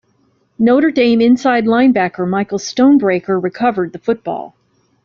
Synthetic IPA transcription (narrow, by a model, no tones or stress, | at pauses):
noʊɾə˞dẽɪ̃mɨ̃nsaɪdˡlãɪ̃nbækə˞maɪkl̩ˠstõʊ̃nbɹeɪkə˞ɹɨkʰʌvə˞d̪̚ðɨfʊt̚b̥ɔ̰lˠ